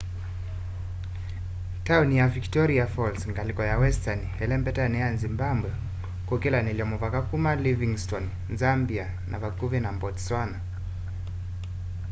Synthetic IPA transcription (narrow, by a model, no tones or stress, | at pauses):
taunijaviktɔɾiafɔlsŋɡalikɔjawɛstanihɛlɛmpɛtanɛanzimbambwɛ | kukɛlaniliɔmuvakakumaliviŋstɔn | zambia | nʔa̰vakuvɛnambɔtswana